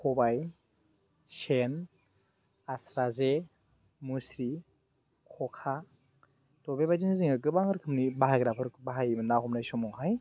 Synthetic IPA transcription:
kʰɔbaj | sen | asɾaze | musɾi | kʰɔkʰa | tɔbebajd͡ʒinɯziŋɯk̬ɯbaŋɯɾkʰɯmnibaɦaɡɾapʰɯɾkɯbaɦajmɯnːaɦɔmnajsɔmɔŋɦaj

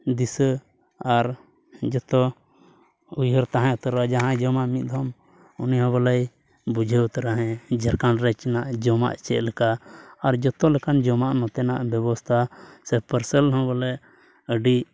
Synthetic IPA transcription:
d̪isə | aɾ | d͡ʒɔt̪ɔ | ujɦəɾt̪aɦãjɔt̪əɾad͡ʒaɦãd͡ʒɔmaʔmit̪̚d̪ʱɔm | uniɦɔ̃bɔlɛj | bud͡ʒʱəut̪ɾaɦɛ̃d͡ʒəɾkanɾɛt͡ʃɛnaʔd͡ʒɔma̰ʔt͡ʃɛ̰ʔlɛkaːɾd͡ʒɔt̪ɔlɛkand͡ʒɔmaʔnɔ̃t̪ɛnaʔbjɔbɔst̪ʰasɛpʰpəɾsɛlɦɔ̃bɔlɛ | əɖiʔ

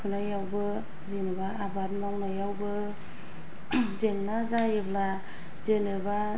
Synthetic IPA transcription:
kʰunajawbɯ | zenɯbaːbat̚maŋnajawbɯ | zeŋnazajɯbla | zenɯba

